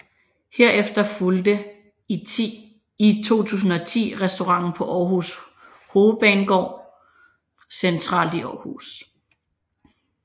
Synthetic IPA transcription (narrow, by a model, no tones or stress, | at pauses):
heɐ̰ʔefd̥ɐfuld̥ə | it͡sʰo̝̰ːt͡sʰṵːsn̩ɒ̽t͡sʰḭːʁɛsd̥o̝ʁɑ̈ŋ̰n̩pʰɒ̽ʔɒːhus | ho̝ːð̩ˠb̥ɛ̰ːnɡ̥ɒ̰ː | sent͡sʰʁɑ̰̈ːld̥iʔɒːhṵːs